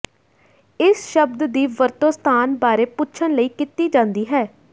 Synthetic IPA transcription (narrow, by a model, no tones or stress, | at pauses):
ɪsʃəbd̪d̪iːʋəɾt̪oːst̪ʰaːnbaːɾeːpʊtːʃʰənləiːkɪt̪iːd͡ʒãːnd̪iːɦɛː